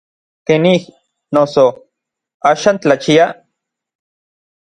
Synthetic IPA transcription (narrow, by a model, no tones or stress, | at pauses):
kenih | noso | aːʃaːnt͡ɬat͡ʃia